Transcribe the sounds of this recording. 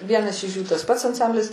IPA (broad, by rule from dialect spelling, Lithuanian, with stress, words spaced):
ˈʋʲiɛnɐs ɪʃ juː tɐs pɐts ɐnˈsɐmʲbʲlʲɪs